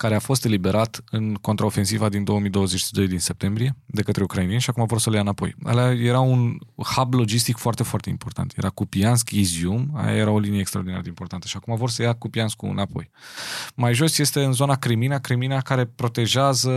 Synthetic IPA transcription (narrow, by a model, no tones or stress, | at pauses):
kaɾe̞afo̞st̪e̞libe̞ɾʔat̪ɨnko̞nt̪ɾaofe̞nsivad̪ind̪o̞əmijd̪o̞wəzet͡ʃid̪o̞jd̪inse̞p̚t̪e̞mbɾije̞d̪e̞kət̪ɾe̞ukɾainenʃiakumavorsəljaɨnapo̞̰ja̰laje̞ɾaunhablo̞d͡ʒist̪ikfoart̪e̞foart̪e̞ḭmpo̞rt̪a̰nt̪ʰje̞ɾakupianskiziuma̰ja̰je̞ɾao̞linijeːkst̪ɾaod̪ina̰əd̪eimpo̞rt̪ant̪ə̥ʃiakumavorsəjakupianskuɨ̰napo̞̰jmajʒo̞sje̞st̪e̞ɨnzo̞nakɾiminakɾiminakaɾe̞pɾo̞t̪e̞ʒazə